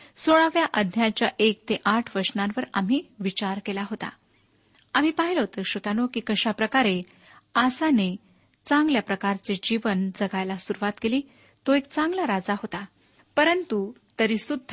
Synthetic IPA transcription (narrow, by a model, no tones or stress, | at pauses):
soɭaʋjaʔəd̪ʱjat͡ɕjaʔek̚t̪eʔaʈʰʋəɾʂnãnʋəɾa̰m̤iːʋit͡ɕaɾkelaɦot̪a̰ | am̤iːpaɦilɦot̪əɕot̪anokiːkəɕapɾəkaɾe | asane | t͡sãŋɡljapɾəkaɾt͡sed͡ʑiʋənd͡zəɡajlasuɾuʋat̪keliː | t̪oekt͡sãŋɡlaɾad͡zaɦot̪a | pəɾənt̪ut̪əɾiːsud̪ʱː